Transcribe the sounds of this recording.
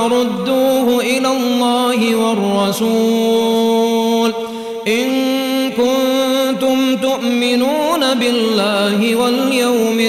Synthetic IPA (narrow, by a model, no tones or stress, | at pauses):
ɾˤʊd̪ːuːɦʊʔɪlallːɑːhɪwarˤːɑsuː | l | ʔɪnkʊnt̪ʊmt̪ʊʔmɪnuːnabɪlːaːɦɪwaljawmɪ